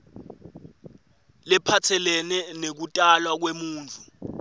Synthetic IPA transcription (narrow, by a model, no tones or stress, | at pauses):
lɛpʰatʰɛlɛnɛnek̬utʼalwak̬wemuːnt͡fu